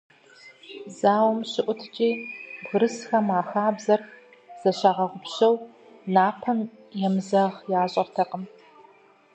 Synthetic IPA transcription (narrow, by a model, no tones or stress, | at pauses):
zaːwmɕɪʔʷʼʊtʰt͡ʃʼiːbʊɾɨsxɐmaːxaːbzɐr | z̥ɐɕaːʁɐʁʷʊpɕɐw | naːpʰɐn | jɛmzɐʁjaːɕʼɐrtʰɐqəm